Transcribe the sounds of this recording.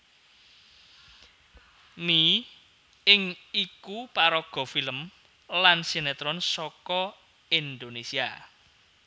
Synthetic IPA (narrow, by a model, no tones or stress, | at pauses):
mi | ɪŋikupaɾɔɡ̥ɔ̤filəm | lansinet̪ɾɔnsɔkɔ | ind̪onesia